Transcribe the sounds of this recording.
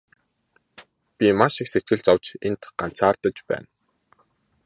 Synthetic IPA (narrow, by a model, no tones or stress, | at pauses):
pʲimaʃikset̪̚ɡɘ̆ɮt͡sawt͡ɕent̪ɢ̥an̥t͡sʰaːrt̪ə̆t͡ɕpæ̰ːn